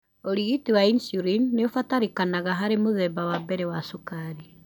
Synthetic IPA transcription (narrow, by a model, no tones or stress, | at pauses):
oɾiɣitiwainsuɾinːeofataɾikanaɣaɦaɾemoðɛbawabɛɾewasokaɾi